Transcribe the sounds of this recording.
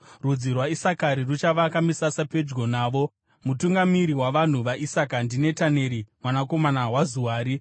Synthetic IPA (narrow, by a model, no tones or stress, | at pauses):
rud͡zirwaisakaɾirut͡ʃaʋakamisasape̞d͡ʒɡo̞naːʋo̞ | mutuŋɡamiɾiwaʋan̤uʋaʔisakandine̞tane̞ɾimwanako̞manaɦwazuwaːɾi